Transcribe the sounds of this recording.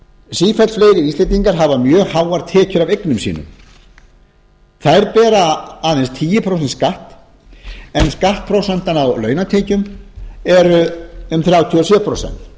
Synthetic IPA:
siːfɛlsfleːjɾɪvislejt̪iŋkaɾ̥ɦavamjœːɣhaːwaɾt̪ʰɛːcʏɾavejknʏmsḭːnʏ̰m | θajɾpɛːɾaaːðɛnst̪ʰiːjɪpʰɾowsɛnt̪skaht̪ | ɛnskaht̪̚pʰɾowsɛnt̪anawlœːɥnat̪ʰeːcʏmɛɾʏʏmθɾjaːwt̪ʰiɔsjɛpʰɾo̰wsɛ̰n̥t̪

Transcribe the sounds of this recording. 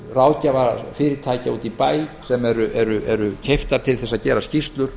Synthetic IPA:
raːwðcavaɾfɪːɾɪt̪ʰaːjcauːt̪ipaːjsɛmɛɾʏʔɛɾʏʔɛɾʏcʰejft̪aɾ̥t̪ʰɪlθɛs̬ːaðcɛːɾascist̪lʏɾ̥

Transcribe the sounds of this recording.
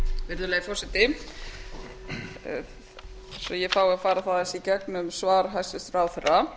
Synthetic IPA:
vɪɾðʏlɛːɣɪfɔrsɛt̪ɪ | sɔjɛfaːwɪafaːɾaθaðɛsicɛknʏmsvaːɾɦajsɪst̪ɾaːwθɛra

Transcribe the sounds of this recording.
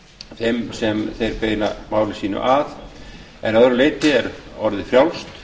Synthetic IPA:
θejmsɛmθejɾpeːjnamaːwlɪsiːnʏ̰ʔaθ | ɛ̰nœðɾʏleːjt̪ɪɛɾɔɾðɪfɾjawlst̪

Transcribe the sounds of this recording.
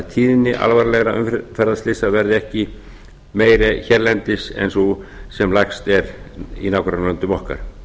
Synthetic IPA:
t̪ʰiːðɪnːɪʔa̰lvaɾlɛɣɾaʏ̰mffɛɾðaðst̪ɪsavɛɾðɪɛhcɪ | meːjɾɪçɛɾlɛnt̪ɪsḛnsɔsɛmlajkst̪ɛɾḭnaːwkʰɾanlœnt̪ʏmɔhka̰ɾ̥

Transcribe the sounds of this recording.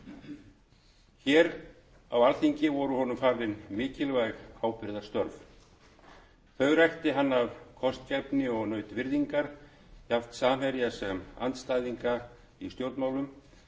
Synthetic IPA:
çɛːɾ | awalθiɲcɪvɔɾʏhɔnʏmfaːɾlɪnmɪːcɪlvajɣaːwpɪɾðḁst̪œɾv | θœɥɣɾajxt̪ɪɦanːavkʰɔst̪cɛpnɪɔɣnœɥt̪vɪɾðiŋkaɾ̥ | jaft̪saːmɦɛɾjasɛma̰nt̪st̪ajðiŋka | ist̪jowɾt̪maːwlʏm

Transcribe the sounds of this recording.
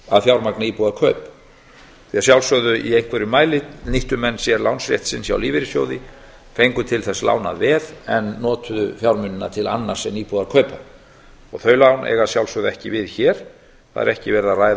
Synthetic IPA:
aðfjawɾmaknaiːpuðaɾkʰœːp | θiasjawlsœðʏʔiejŋ̥kvɛɾʏmaːjlɪniht̪ʏmɛnːsjɛɾlawnsɾjɛ̰ht̪sɪnsja̰wliːvɪɾɪsjo̰wðɪ | fejŋkʏt̪ʰɪlθɛsla̰ːwna̰ðvɛːðɛnːɔːt̪ʏðʏfjawɾmʏnːʏnːat̪ʰɪla̰nːaɾ̥sɛniːpuðaɾkʰœːɥpa | ɔɣθœɥlawnʔɛ̰ɣasjawlsœðʏɛhcɪvɪðçɛːɾ̥ | θa̰ð̰ɾɛhcɪvɛɾðaraːjð

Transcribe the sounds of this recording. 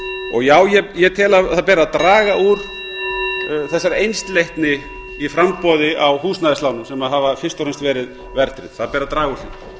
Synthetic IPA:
ɔ̰ɣjaːwjɛjɛt̪ʰɛːlaθaðpɛːɾaðt̪ɾaːɣauɾ̥ | θɛsːaɾejnst̪lejhk̪nɪ | ifɾampɔðɪʔawhuːsnaðɪslaːwnʏmsɛmaðɦaːvafɪst̪awɾenst̪vɛːɾɪð | vɛɾt̪ɾɪ̰ð̥θaðpɛːɾaðt̪ɾaːɣauɾlḭ

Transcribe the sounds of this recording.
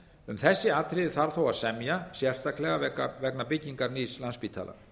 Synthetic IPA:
ʏmθɛsːɪat̪ɾɪðɪθaɾ̥θowaðsɛmjasjɛr̥st̪aklɛɣaɛkavɛknapɪcːiŋkaɾnislanspiːt̪ʰa̰ːla̰

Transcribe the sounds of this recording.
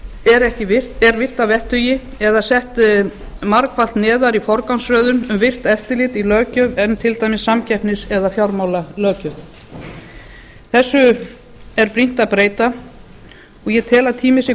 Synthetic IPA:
ɛɾɛhcɪvɪ̥tɛɾvɪr̥t̪avɛht̪ʏjɪ | ɛðasɛht̪ | maɾkfalt̪nɛːðaɾifɔɾkawnsɾœːðʏnʏmvɪr̥t̪ɛft̪ɪlɪt̪ilœːcœvɛnːt̪ʰɪlt̪aːjmɪsːamcɛhpnɪsɛðafjawɾmawlalœːcʏθ | θɛsːʏ | ɛɾpɾin̥t̪aðpɾeːjt̪a | ɔɣjɛt̪ʰɛːlat̪ʰiːmɪsɛ

